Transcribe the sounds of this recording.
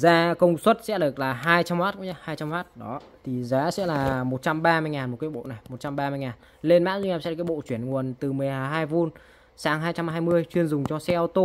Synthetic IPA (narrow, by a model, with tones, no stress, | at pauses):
zaː˧kə˧wŋ͡mswə˦˥t̚sɛ̰˧˥ɗɨ˨˩ək̚laː˨˩ɦaː˧jt͡ɕa˧mwaː˦˥t̚kṵ˧˥ɲaː˧˩haː˧jt͡ɕa˧mhwaː˦˥t̚ɗɔ˨˦ | t̪ʰi˨˩zaː˨˦sɛ̰˧˥laː˨˩mo˨˩t̚t͡ɕa˧mɓaː˧mɨ˧jŋaː˨˩nmo˨˩t̚kaː˨˦jɓo̰˧˨na˨˩jmo˨˩t̚t͡ɕa˧mɓaː˧mɨ˧əjŋaː˨˩n | le˧nma̰ː˧˥zu˧ŋ˧aː˧˩ɛ̰˧˥˨kːaː˨˦ɓo̰˧˨t͡ɕwi˧˩ənŋu˨˩ənt̪ɨ˨˩mɨ˨˩əjhaː˨˩ɦaː˧jvu˧n | saː˨˦ŋɦaː˧jt͡ɕa˧mɦaː˧jmɨ˧əjt͡ɕwi˧ənzʊ˨˩ŋ͡mt͡ɕɔ˧sɛ˧ʔɔ˧wt̪o˧